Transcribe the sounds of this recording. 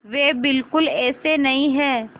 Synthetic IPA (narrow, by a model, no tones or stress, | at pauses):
ʋeːbɪlkʊlɛːsenɐɦĩɦɛː